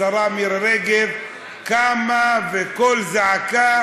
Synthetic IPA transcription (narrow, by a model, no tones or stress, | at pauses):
aɾamiɾɾeɡev | kamaveko̞lzaʕaka